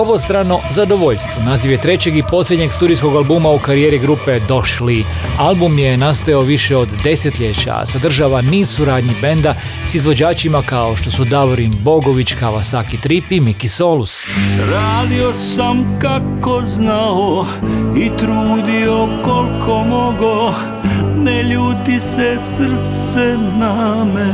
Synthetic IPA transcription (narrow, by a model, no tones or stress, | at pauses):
o̞ʋo̞st̪ɾano̞zad̪o̞ʋo̞ʎst̪ʋo̞naziʋjet̪ɾe̞t͡ɕe̞ɡipo̞slʎʲed̪ɲe̞ɡst̪uːɾijsko̞ɡalˠbumaukaɾieːɾiɡɾupe̞d̪o̞ʃli | albumje̞nast̪ajaoʋiʃeo̞d̪ːe̞set̪ʎe̞t͡ɕa̰a̰sad̪r̩ʒaʋanisuɾaːd̪ɲibe̞nd̪a | sizʋo̞d͡ʑaːt͡ɕimakao̞ʃt̪o̞sud̪aʋoɾinbo̞ɡo̞ʋit͡ɕkaʋasakit̪ɾipimikiso̞lusɾaːd̪iosamkakoznao | it̪ɾuːd̪iokolkʰomoɡo | nɛʎuːt̪isɛsr̩t̪ssɛnamɛ